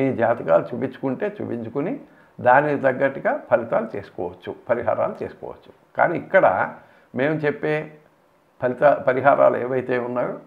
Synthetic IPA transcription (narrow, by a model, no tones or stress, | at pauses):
miːd͡ʒaːt̪ika̰ːlut͡ʃuːpiɲt͡ʃːu̥kuɳʈe̞ːt͡ʃṵːpiɲt͡ʃukuni | d̪aːniit̪ɐɡːɐʈːiɡaːpʰɐlit̪aːlut͡ʃe̞ːsu̥kɔ̰ːʋɐt͡ʃːupɐɾiɦa̰ːɾa̰ːlut͡ʃe̞ːsu̥kɔ̰ːʋɐ̰t͡ʃːu̥ | ka̰ːniːkːɐɽɐ̰ | me̞ːmut͡ʃepːe̞ː | pɐlit̪apɐɾiɦaːɾa̰ːlueːʋɐjt̪e̞ːunːaːɽu